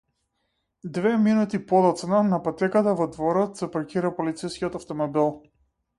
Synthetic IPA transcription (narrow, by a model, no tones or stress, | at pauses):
d̪vɛminut̪ipɔd̪ɔt̪snanapat̪ɛkat̪avɔd̪vɔɾɔt̪sɛpɾɔciɾapɔlit̪sɛjskʲiɔt̪aft̪ɔmɔbilˠ